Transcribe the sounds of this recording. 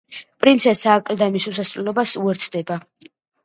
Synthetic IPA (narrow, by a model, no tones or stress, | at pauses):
pʼɾint̪sʰɛsaːkʼld̪amisusasvɛlɔbasuɛɾt̪sʰd̪ɛba